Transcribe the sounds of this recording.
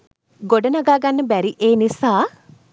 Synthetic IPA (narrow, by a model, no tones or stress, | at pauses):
ɡoɖənaɡaːɡanːəbæɾiʔeːnisaː